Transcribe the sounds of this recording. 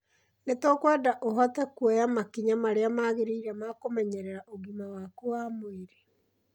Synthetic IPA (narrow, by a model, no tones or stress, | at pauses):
netɔkwadaʔoɦɔtɛkwɔjamakiɲamaɾeamaːɣeɾeiɾɛmakomɛɲɛɾɛɾaʔoɣimawakowamoeɾe